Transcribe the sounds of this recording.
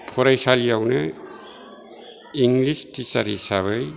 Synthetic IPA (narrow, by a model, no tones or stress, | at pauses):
pʰoɾajsalijawna | iŋɡlistisaɾisaβaj